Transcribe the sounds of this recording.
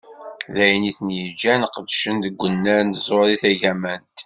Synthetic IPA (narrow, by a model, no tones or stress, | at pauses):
ðæjniθənjəd͡ʒːænqəd̪ʃənd̪əɡʷːənːæɾnt̪zˤoɾiθæʝæmænt̪